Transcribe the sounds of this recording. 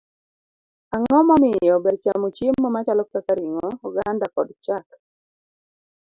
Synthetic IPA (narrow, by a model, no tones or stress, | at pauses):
aŋɔmamɪjɔbɛdt͡ʃamot͡ʃemːɔmat͡ʃalɔpɛkaɾiŋɔɔɡandakɔdt͡ʃak